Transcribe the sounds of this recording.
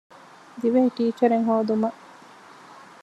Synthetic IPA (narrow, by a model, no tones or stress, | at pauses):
d̪iʋeɦiʈiːt͡ʃɐɾeŋɦoːd̪umɐʔ